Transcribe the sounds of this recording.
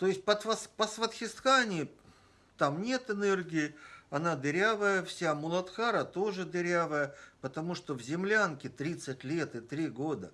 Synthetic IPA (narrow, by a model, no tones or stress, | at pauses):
t̪oɪsʲt̚ʲpət̪vɐspəsvət̪xʲɪst̪xanʲɪɪ | t̪amnʲe̞t̪ɨnerɡʲɪɪɐnad̪ɪɾʲavəjəfsʲamʊlˠɐt̪xaɾət̪o̞ʐɨd̪ɪɾʲavəjəpət̪ɐmuʂt̪ovzʲɪmlʲankʲɪt̪ɾʲit̪sɨtʲlʲe̞t̪ɨt̪ɾʲiɡod̪ə